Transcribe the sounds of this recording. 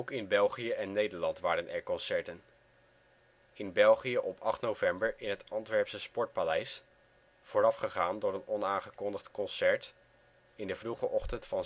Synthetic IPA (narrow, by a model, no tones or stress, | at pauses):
owkɪnbɛlˠχijəʔɛnːejdəɹlɑntʋaːɾənʔɛ̰ɹkɔnsɛɹtən | ɪnbɛlˠχijəʔɔpʰɑχtnowvɛmbəɹɪnɦətɑntʋɛɹpsəspɔɹt̚palɛjs | v̥oːɾɑfχəχaːndʊːɾənɔnaːnχəkɔndəχtkɔnsɛɹt | ɪndəvruχəʔɔχtəntfɑn